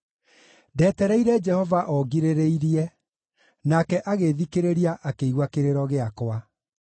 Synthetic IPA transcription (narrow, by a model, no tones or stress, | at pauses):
dɛːtɛɾɛiɾɛd͡ʒɛhɔvaʔɔɡiɾeɾeiɾiɛ | nakɛʔaɣeðikeɾeɾiaʔakeiɣwakeɾeɾɔɣeakwa